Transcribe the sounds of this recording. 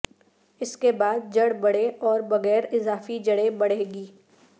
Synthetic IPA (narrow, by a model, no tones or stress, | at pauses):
ɪskebaːd̪̚d͡ʒɐɽbɐɽeɔːɾbɐɣɛːɾɪzaːfid͡ʒɐɽebɐɽɦeːɡiː